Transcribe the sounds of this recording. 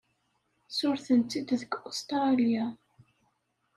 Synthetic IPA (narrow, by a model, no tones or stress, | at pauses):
sʊɾθənt͡s̪ːid̪ðəkʊst̪ɾɑlja